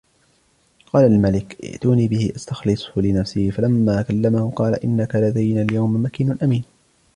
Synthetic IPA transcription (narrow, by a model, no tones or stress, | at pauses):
qɑːlalmalɪkʔɪ̰ʔt̪uːniːbɪhɪʔast̪axlɪsˤhʊlɪnafsɪhɪfalamːaːkalːamahʊqɑːla̰ʔɪnːakalad̪ajnaːljawmmakiːnʊnʔamiːn